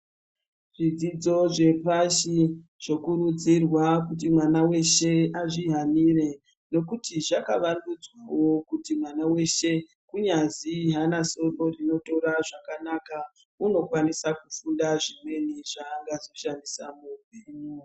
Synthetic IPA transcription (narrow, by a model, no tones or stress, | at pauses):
ʐ̥id͡zid͡zo̞ʐe̞paʃiʐ̥o̞kurud͡zirwakut̬imwanawe̞ʃe̞aʐiɦanire̞ | no̞kutiʐakaʋandud͡zwawo̞kutimwanawe̞ʃe | kuɲaziɦanaso̞ro̞rino̞to̞raʐakanaka | uno̞kwanisakufundaʐimwe̞niʐaːŋɡazoʃanisamubiːɲo